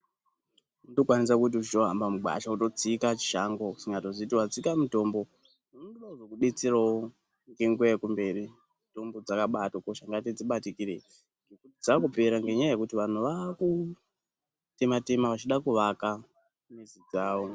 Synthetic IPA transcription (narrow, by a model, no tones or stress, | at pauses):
udokwanis̬akut̬iut͡ʃito̞ɦa̰mbamuɡwa̰ʃauto̞t͡sikat͡ʃi̥ʃaŋɡo̞ku̥siŋɡatozitiwat͡sikamuto̞mbo̞ | nonduaʐokuɗet͡sirawo | ŋɡe̞ŋɡuekumbe̞ri | to̞mbo̞d͡zakaɓatokoʃaŋɡatid͡ziɓatikire | ŋɡekutid͡zakupe̞ɾaŋɡe̞ɲajaje̞kutiʋan̤uʋaku | te̞mate̞maʋat͡ʃiɗakuʋaka | mizid͡zaːwo̞